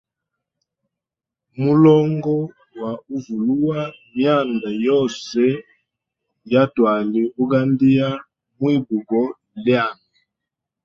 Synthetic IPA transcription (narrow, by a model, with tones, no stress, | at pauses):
mu˦lɔ˦ŋɡɔ˦ | wa˨u˦vu˨lu˦wa˦mja˦˨nda˨jɔ˦sɛ˦ | ja˦twa˨li˦u˦ɡa˦ndi˦ja˦ | mwi˦bu˨ɡɔ˦ | lja˦˨ŋa˨